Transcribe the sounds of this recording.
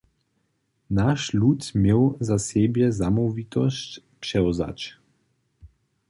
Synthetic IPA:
naʃluːt̪meːwzaseːbjɛzamɔvit̪ɔst | pʃɛɔza̰t͡ʃ

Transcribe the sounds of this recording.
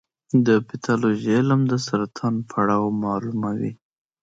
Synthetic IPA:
d̪əpɪt̪ʰɑloʒelamd̪əsaɾat̪ʰɑnpʰaɽɑwmɑlumawḭ

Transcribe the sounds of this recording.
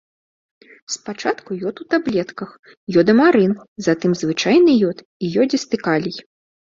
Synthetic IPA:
spat͡ʂat̪kujɔt̪ut̪ablʲɛt̪kɐx | jɔd̪ɐmaɾɨnzat̪ɨmzvɨt͡ʂajnɨjɔt̪ | ijɔd͡zʲɛst̪ɨkalʲij

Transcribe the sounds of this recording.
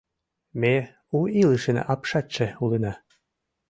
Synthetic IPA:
me | uilɨʃɘn̰ʔɑpʃɑt͡ɕːĕulənɑ

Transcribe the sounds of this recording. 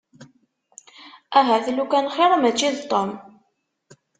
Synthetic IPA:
æɦæθlukænχeɾˤamæt͡ʃːiðt̪ˤːom

